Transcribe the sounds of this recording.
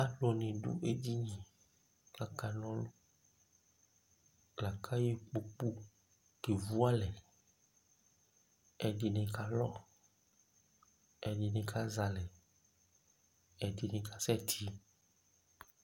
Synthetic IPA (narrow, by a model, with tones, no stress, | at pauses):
a˦lo˨nẽ˨ɖṵ˦ʔe˦di˦ɲĩ˨ | ɡla˨ka˨nɔ̃˦lo˦ | ɡla˨kʰa˦je˦k͡po˨k͡pu˦ | ke˨vu˦a˦lɛ˨ | ɛ˨di˨nẽ˨ka˨lɔ˦ | ɛ˨ɖi˨nẽ˨kʰa˦za˨lɛ˨ | ɛ˨di˨nẽ˨ka˨sɛ˦t̪ʰi˦